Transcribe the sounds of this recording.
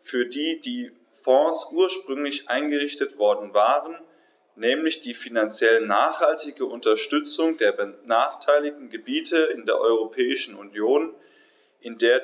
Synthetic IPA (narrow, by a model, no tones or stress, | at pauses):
fyːɐdiːdiː | fɔ̃ːsʔuːɐʃpʁ̥ʏŋlɪçʔa̰ɪnɡəʁɪçtətv̥ɔɐdn̩vaːʁən | nɛːmlɪçd̥iːfinant͡sjɛlnaːχhaltɪɡəʔʊntɐʃtʏt͡sʊŋdeːɐbənaːχtʰaɪlɪçtn̩ɡəbiːtʰəɪndeːɐʔɔʏʁ̞opʰɛːɪʃn̩ṵnjoːn | ʔɪndeːɐ